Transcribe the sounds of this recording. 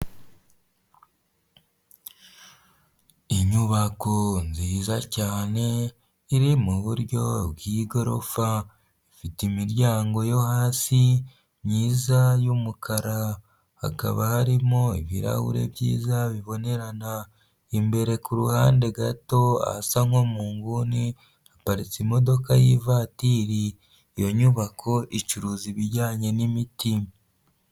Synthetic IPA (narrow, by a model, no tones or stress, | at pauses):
iɲuβako̞nziːzacaːne̞ | iɾimuβuɾɟo̞βwiːɡo̞ɾo̞̰fa | ifitimiɾɟaːŋɡo̞jo̞haːsi | ɲiːzajumukʰaɾa | ha̰ka̰βahaɾimo̞ḭβḭɾa̰hṵɾe̞̰βjiːzaβiβo̞ne̞ɾana | imbe̞ɾe̞kuɾuhaːndeɡato̞a̰saŋwomuːŋɡuni | apaɾit͡simo̞do̞kajivatiːɾiː | jo̞ɲuβakʰo̞ʔit͡ʃuɾuːziβiɾɟaːɲe̞nimiti